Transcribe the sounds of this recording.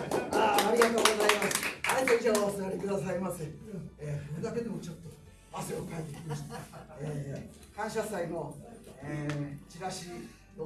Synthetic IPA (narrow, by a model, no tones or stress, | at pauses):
aːɾʲiɡat̪o̞ːɡo̞zaimasɨ̥aet̪oiʑasaɾʲikɯ̟d̪asaimasẽeːoɾed̪ake̞d̪e̞mot͡ɕo̞t̪ːo | asoeokaet̪ːe̞kʲimaɕi̥t̪ae | kãɰ̃ɕ̬asainoet͡ɕiɾaɕi | o